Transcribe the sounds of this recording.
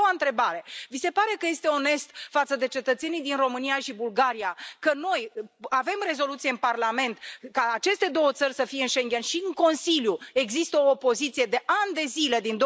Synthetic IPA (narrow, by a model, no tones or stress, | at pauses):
oaɨnt̪ɾe̞baɾe̞vise̞paɾe̞kəje̞st̪e̞o̞ne̞st̪fat̪səd̪e̞t͡ʃe̞t̪ət̪se̞nijd̪inro̞mɨnijaʃibulɡaɾijakəno̞jave̞mre̞zo̞lut̪sije̞ɨnparlame̞nt̪kaːt͡ʃe̞st̪e̞d̪o̞wət̪sərʲsəfijeɨnʃe̞ŋɡʲe̞nʃiɨŋko̞nsiljueɡzist̪əo̞ːpo̞zit̪sijed̪e̞ʔand̪e̞zile̞d̪ind̪o